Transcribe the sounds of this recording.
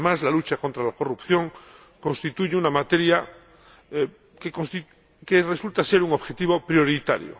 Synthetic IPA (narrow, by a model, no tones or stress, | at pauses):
mazlalut͡ʃakont̪ɾalako̞rupθjõ̞ŋ | kõ̞nst̪it̪uʝeunamat̪e̞ɾja | kekost̪i | keresult̪ase̞ɾuŋo̞βxe̞t̪iβo̞pɾjo̞ɾit̪a̰ɾjo̰